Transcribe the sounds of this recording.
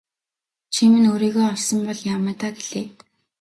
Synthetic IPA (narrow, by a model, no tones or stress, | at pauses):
t͡ɕʰimɘ̆noːɾiːɣoːɔrsɞ̆mpɔɮjameːt̪aɡeɮ̥eː